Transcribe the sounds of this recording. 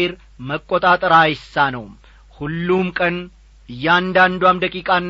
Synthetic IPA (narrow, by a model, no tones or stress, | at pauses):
eɾ | məkʼːot̪ʼat̪ʼəɾajɪsːanəw | hulːumkʼən | ɨjːɛand̪and̪wamd̪əkʼikʼanː